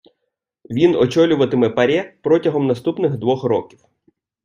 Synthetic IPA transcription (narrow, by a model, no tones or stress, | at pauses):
ʋʲinɔt͡ʃɔlʲʊʋɐt̪ɪmɛpɐɾʲɛpɾɔtʲɐɦɔmnɐst̪upnɪɣd̪ʋɔxrɔkʲiw